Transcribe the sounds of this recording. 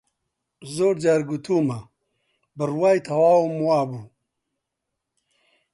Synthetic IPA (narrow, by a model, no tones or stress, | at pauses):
zoːɾd͡ʑaɾɡut̪ʰuma | bəɾwajt̪ʰawaːwumwaːbu